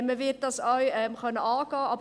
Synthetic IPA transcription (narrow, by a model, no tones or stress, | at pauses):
məvɪt̚d̥ɑsawɛmχœnəɑːɡ̥ɑːɑbə